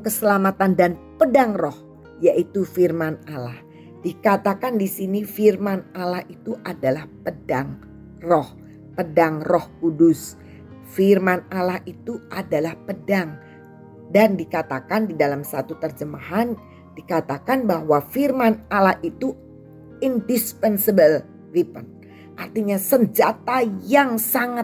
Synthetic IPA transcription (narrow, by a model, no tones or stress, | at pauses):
kəsəlamat̪andanpədaŋrɔh | jaʔit̪ufirmanalah | dikat̪akandisinifirmanalahit̪uʔadalahpədaŋ | rɔh | pədaŋrɔhkudʊs | firmanalahit̪uʔadalahpədaŋ | dandikat̪akandidalamsat̪ut̪ərd͡ʒəmaɦan | d̥ikat̪akanbaɦwafirmanalahʔit̪u | indispɛnsəbəl | ripən | ʔart̪iɲasəɲd͡ʒat̪ajaŋsaŋa